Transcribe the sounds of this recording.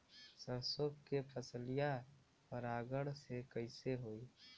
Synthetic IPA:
səɾsokkːepʰəslija | pəɾaːɡəɽsekəɪseɦoːiː

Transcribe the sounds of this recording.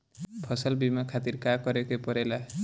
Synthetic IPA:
pʰɔsɔlbimakʰat̪iɾkakɔɾekejpɔɾela

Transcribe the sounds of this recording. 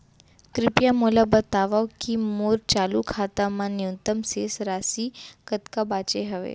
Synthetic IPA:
kɾɪpjamulabət̪aːʋawkimoːɾt͡ʃaːlukʰaːt̪amãnjunt̪əmsesɾaːsikət̪kabaːt͡ʃeɦəʋḛ

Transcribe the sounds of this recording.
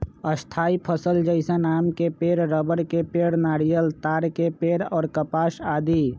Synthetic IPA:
əst̪ʰaːipʰəsəld͡ʒəɪsãnaːmkepeːɾɾəbəɽkepeːɽnaːɽijəlt̪aːɾkepeːɽɔːɾkəpaːsaːd̪iː

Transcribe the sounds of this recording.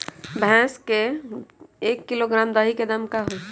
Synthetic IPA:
bʱɛ̃ske | ekːiloɡɾamd̪əɦiked̪əmkaɦo

